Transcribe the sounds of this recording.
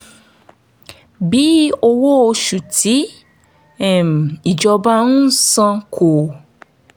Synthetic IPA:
bi˨˦o˧wo˦o˧ʃu˨ti˨˦ | ɛ˨m˨i˨d͡ʒɔ˧ba˦nũ˦sã˧kʰo˨

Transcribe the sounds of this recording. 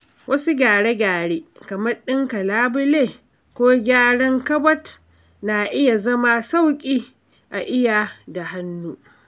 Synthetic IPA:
wʔɐ˦su˦ɡʲaː˨ɽe˦ɡʲaː˨ɽeː˦kɐ˨mɐ˦rɗɪ˦ŋkɐ˨laː˦bʊ˦leː˦˨ | kʷoː˦ɡʲaː˦ɽɔ˦ŋkɐ˦bɐ˦t | na˨ʔɪ˦ja˨zɐ˦ma˦sa˦˨wkʲʼiː˦ | ʔa˨ʔɪ˦ja˨da˨ha˦nːuː˦

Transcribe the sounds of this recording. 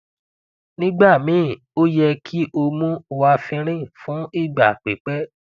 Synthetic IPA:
nĩ˦ɡ͡ba˦˨mĩ˨˦˨ | o˦jɛ˧kʰi˦ʔo˧mũ˦˧wa˧fĩ˧ɾ̃ĩ˦fũ˨˦i˦˨ɡ͡ba˨k͡pe˨˦k͡pɛ˦

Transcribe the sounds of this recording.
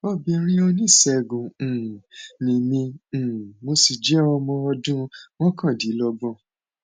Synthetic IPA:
o˦bĩ˧ɾ̃ĩ˦o˧nĩ˦˨sɛ˧˨ɡũ˨nĩ˨mĩ˧˨ | mo˧si˨d͡ʒɛ˨˦ɔ˧mɔ̃˧ɔ˧dũ˦w̃ɔ̃˦kã˦˨di˨˦lɔ˧ɡ͡bɔ̃˧˨

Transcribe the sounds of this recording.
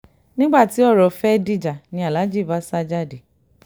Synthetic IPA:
nĩ˦ɡ͡ba˦˨ti˨˦ɔ˦˨ɾɔ˨fɛ˦di˦d͡ʒa˨nĩ˧˦a˨la˨˦d͡ʒi˦˨va˨˦sa˦d͡ʒa˦˨di˨

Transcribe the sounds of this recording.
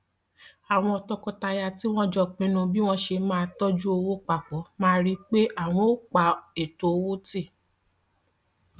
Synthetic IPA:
a˨w̃ɔ̃˧ɔ˧tɔ˧kɔ˧ta˧ja˧ti˦w̃ɔ̃˦d͡ʒɔ˦˨k͡pĩ˧˦nũ˧bi˦w̃ɔ̃˦ʃe˧mãː˦˧tɔ˦d͡ʒu˦o˧wo˦k͡pa˨k͡pɔ˨˦mãː˦˧˦ɾi˦k͡pe˦ʔa˦˨w̃ɔ̃˨o˦k͡pa˨˦e˨to˨˦o˧wo˦te˦˨

